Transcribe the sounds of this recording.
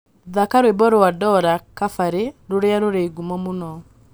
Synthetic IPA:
ðakaɾwebɔɾɔwadɔɾakafaɾeɾoɾeaɾoɾeɡumɔmonɔ

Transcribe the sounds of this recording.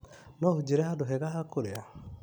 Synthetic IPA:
nɔhud͡ʒeɾɛhadoɦɛɣahakoɾea

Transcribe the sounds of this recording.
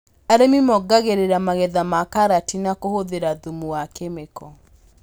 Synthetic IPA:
aɾemimɔɡaɣeɾeɾamaɣeðamakaɾatinakohoðeɾaðumuwakemekɔ

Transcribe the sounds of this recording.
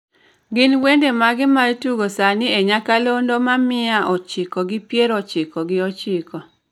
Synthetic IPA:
ɡɪnwendemaɡɪmaituɡosanɪeɲakalondomamɪaʔɔt͡ʃɪkɔɡɪpjeɾɔt͡ʃɪkɔɡɪɔt͡ʃɪkɔ

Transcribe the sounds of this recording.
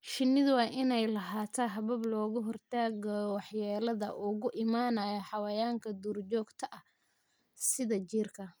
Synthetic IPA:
ʃɪnɪðwɑːʔɪnɛjlɐɦaːt̪ʰɐɦɐβɐblɔːɣʊɦɔrt̪ʰaːɡɐwɑħjaːlɐðɐ̰ʔʊɣʊʔɪmaːnɐjɐħɑwɐjaːŋkʰɐd̪uːrt͡ʃɔːɡt̪ʰɐʔɐ | sɪðɐt͡ʃiːrkʰɐ

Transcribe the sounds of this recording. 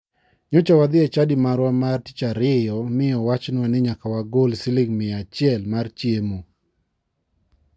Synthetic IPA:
ɲɔt͡ʃawad̪ɪɛt͡ʃadɪmaɾwamarti̥t͡ʃaɾɛjɔmɪɔwat͡ʃnwanɪɲakawaɡolsɪlɪŋmɪat͡ʃɪɛlmart͡ʃjemo

